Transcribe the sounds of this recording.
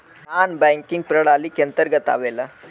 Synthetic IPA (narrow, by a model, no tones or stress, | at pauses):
naːnbɐjŋkiŋɡ̚pɾɐɽaːlikɐnt̪əɾɡɐt̪a̰ːʋelɐ